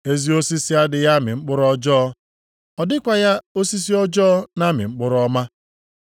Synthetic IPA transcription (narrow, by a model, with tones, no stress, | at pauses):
e˦zi˦o˦si˦si˦a˦dɪ˨ja˦mɪ̰˨ŋ͡m̩˦k͡pʊ˦ɾɔ˦d͡ʒɔː˦ | ɔ˨dɪ˦kʷa˨ja˦o˦si˦s̬i˦ɔ˦d͡ʒɔ˦na˦mɪ̰˨ŋ͡m̩˦k͡pʊ˦ɾɔ˦ma˦